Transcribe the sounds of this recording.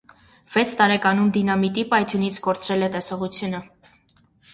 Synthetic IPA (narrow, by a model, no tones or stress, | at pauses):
v̥ɛt͡sʰt̪ɑɾɛkɑnumd̪inɑmit̪ipɑjt̪ʰjunit͡sʰkɔɾt͡sʰɾɛlɛt̪ɛsɔʁut͡sʰjunə